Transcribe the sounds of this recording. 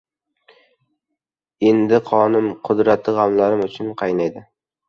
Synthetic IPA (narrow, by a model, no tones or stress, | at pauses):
e̞nd̪ɪqʰɒnɪmqʰʊd̪ɾat̪ʰːɪʁɑmlaɾɪmʊt͡ʃʰʊnqʰɑjnajd̪ɪ